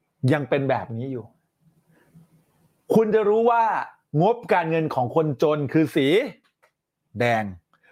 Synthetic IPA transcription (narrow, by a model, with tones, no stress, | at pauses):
ja˧ŋpe˧nbɛː˨˩p̚niː˦˥juː˨˩ | kʰu˧nt͡ɕa˨˩ɾuː˦˥waː˥˩ | ŋo˦˥p̚kaː˧nŋɤ˧nkʰɔː˩˦ŋkʰo˧nt͡ɕoː˧nkʰɯː˧siː˩˦ | dɛː˧ŋ